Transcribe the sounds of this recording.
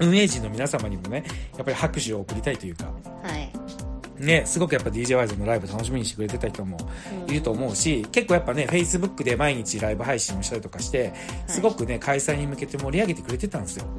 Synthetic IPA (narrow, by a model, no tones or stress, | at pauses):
ɯ̟̃ɰ̃e̞ːʑĩnːo̞mʲinasamaɲ̟imo̞ne̞japːaɾihakɯ̟ɕɨo̞ːkɯ̟ɾʲit̪ait̪o̞jɯ̟ːka̰ | ne̞sɨɡo̞kɯ̟japːad̪ʲiːʑe̞ːβaizo̞no̞ɾaibɯt̪ano̞ɕ̬imʲiɲiɕt̪ekɯɾe̞t̪e̞t̪açʲi̥t̪omo̞iɾɯ̟t̪o̞ːmo̞ɯ̟ɕikekːoːjapːane̞ɸe̞isɨbɯ̟kːɯ̟d̪e̞maiɲ̟it͡ɕiɾaibɯ̟ɦaiɕĩɰ̃o̞ɕi̥t̪aɾʲit̪okaɕi̥t̪e̞sɨɡo̞kɯ̟ne̞kʰaisaiɲ̟imɯ̟ke̞t̪e̞mo̞ɾʲiaɡe̞t̪ekɯ̟ɾe̞t̪e̞t̪ãnd̪e̞sɨjo̞